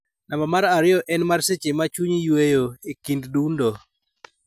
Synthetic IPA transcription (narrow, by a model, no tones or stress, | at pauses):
nambɔmaɾaɾɪɔʔɛnmarset͡ʃemat͡ʃuɲjwejoekinddundo